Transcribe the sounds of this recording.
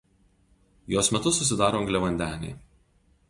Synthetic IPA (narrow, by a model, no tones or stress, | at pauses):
joːsmʲɛt̪ʊsʊs̬ʲɪd̪ɑːɾoːɐŋɡlʲɛʋɐnʲd̪ʲæːnʲɛ̰ɪ